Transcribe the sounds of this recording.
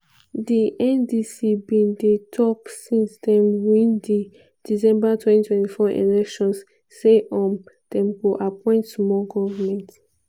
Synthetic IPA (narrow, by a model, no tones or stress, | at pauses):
diʔɛ̃ndisibĩnditʰɔpsĩnsdɛ̃mwĩndi | d̥isɛ̃mbatʰwɛ̃ntitʰwɛ̃ntifɔʔḛlɛkʃɔ̃nsː | eʔɔ̃md̥ɛ̃mɡoʔapʰɔ̃ɪ̃ntsmɔɡɔvamɛ̃nt